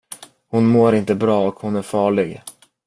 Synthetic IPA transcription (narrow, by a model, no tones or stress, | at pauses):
hʊnmoːɾɪnt̪əbɾɑːɔkhʊnæɾfɑːɭɪɡ